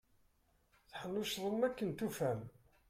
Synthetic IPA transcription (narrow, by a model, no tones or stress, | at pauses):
θħəlːʊʃðˤəmːækːənt̪ufæm